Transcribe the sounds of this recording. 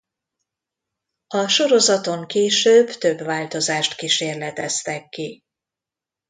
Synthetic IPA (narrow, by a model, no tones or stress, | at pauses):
ɒʃo̞ɾo̞zɒt̪o̞ŋkeːʃøːbt̪ø̞bvaːlt̪o̞zaːʃt̪kiʃeːrlɛt̪ɛst̪ɛkːi